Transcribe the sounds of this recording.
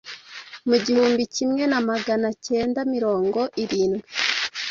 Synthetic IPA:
muɟihuːmbicimŋe̞namaɡanace̞ːndamiɾo̞ːŋɡo̞ʔiɾiːnɡwi

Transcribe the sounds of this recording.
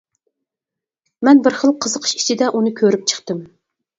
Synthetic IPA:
mɛnbɪɾχəlˠqʰəzəqʰə̥ʃi̥t͡ʃʰid̪ɛʔunɨkʲʰøɾyp̚t͡ʃʰə̥χt̪ɨm

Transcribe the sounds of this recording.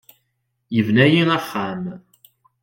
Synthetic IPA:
jəvnæjinəχːam

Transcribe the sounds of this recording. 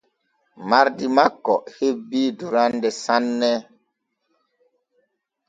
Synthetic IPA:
maɾdimakːɔhebiːduɾandɛsanːɛ

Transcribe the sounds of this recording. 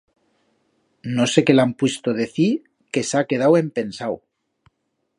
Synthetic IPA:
nose̞ke̞lampwest̪oðe̞θiɾ | ke̞sake̞ð̞awe̞mpe̞nsaw

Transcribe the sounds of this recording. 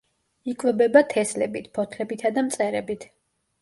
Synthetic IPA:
ikʼwɛbɛbat̪ʰɛslɛbit̪ʰpʰɔt̪ʰlɛbit̪ʰad̪amt̪sʼɛɾɛbit̪ʰ

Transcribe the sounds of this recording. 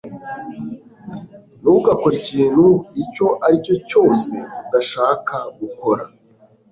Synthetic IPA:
nuuɡakoɾiciːn̤huico̞ʔaɾico̞co̞ːse̞̰daʃaːkʰaɡuko̞ɾa

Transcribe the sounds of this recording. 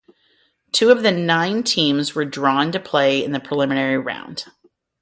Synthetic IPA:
tʰʉʌvðɨnãɪ̃ntʰĩmzwə˞dɹɔ̃ntɨpʰl̥eɪɨ̰̃nðɨpʰɹ̥əlɪmɨnɛɹiɹã̰ʊ̃nd̥

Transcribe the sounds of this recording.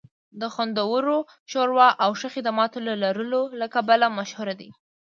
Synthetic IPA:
d̪əxwand̪awəɾo | ʃoɾwɑʔawʃəxɪd̪amɑt̪olalaɾəlolakabalamaʃhuɾad̪i

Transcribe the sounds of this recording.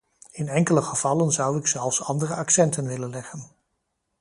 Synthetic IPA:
ɪnɛŋkələχəv̥ɑlənzʌwɪksɛlˠfsɑndərəʔɑksɛntənʋɪlənlɛχən

